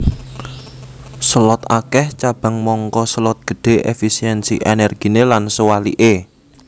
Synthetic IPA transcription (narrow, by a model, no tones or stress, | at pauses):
səlɔt̪akɛht͡ʃab̥a̤ŋmɔŋkɔsəlɔt̪̚ɡ̥ə̤ɖ̥e̤ʔḛfisiɛnsḭʔenɛrɡ̥i̤nelansowalḭʔe